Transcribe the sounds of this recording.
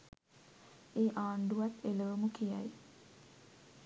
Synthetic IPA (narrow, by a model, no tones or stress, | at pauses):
eːʔaːɳɖuʋat̪ʰːeləʋumukija̰j